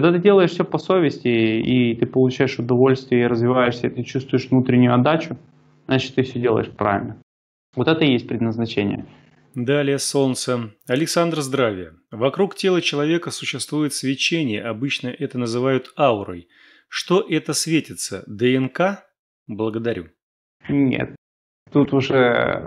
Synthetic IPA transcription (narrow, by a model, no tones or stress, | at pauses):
kɐɡd̪at̪ɨdʲe̞lˠəɪʂfsʲɵpɐsovʲɪsʲtʲɪit̪ɨpəlˠʊt͡ɕæjɪʂʊd̪ɐvo̞lʲst̪vʲɪjəiɾəzvʲɪvajɪʂsʲəit̪ɨt͡ɕust̪vʊjɪʂvnut̪ɾʲɪnʲːʊjʊɐd̪ːat͡ɕʊ | znat͡ɕɪ̥t̪ːɨfsʲɵdʲelˠə̰ɪ̰ʂpɾa̰vʲɪlʲnə | vot̪ɛt̪əjesʲt̚ʲpɾʲɪd̪nəznɐt͡ɕenʲɪ̰jə̰ | d̪alʲɪjəso̞nt̪səɐlʲɪksand̪rzd̪ɾavʲɪjə | vɐkɾuktʲe̞lˠət͡ɕɪlˠɐvʲe̞kəsʊɕːɪst̪vujɪt̪svʲɪt͡ɕenʲɪjə̰ʔɐbɨt͡ɕnəʔɛt̪ənəzɨvajʊt̪aʊɾə̰j | ʂt̪o̞ʔɛt̪əsvʲetʲɪt̪sə̰d̪ɛɛnka | blˠəɡəd̪ɐɾʲṵ | nʲḛt̪̚ː | ut̪ʊʐɛ